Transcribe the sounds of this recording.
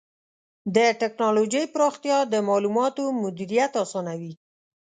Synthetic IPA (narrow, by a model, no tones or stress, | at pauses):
d̪əʈɪknɑlod͡ʒəjpəɾoxt̪jɑd̪əmɑlumɑt̪omʊd̪iɾijat̪ɑsɑnawi